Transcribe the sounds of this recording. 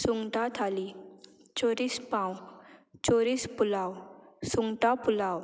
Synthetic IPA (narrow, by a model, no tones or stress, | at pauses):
suŋɡʈat̪ʰali | t͡ɕoɾispãwt͡ɕoɾispulawsuŋɡʈapulaw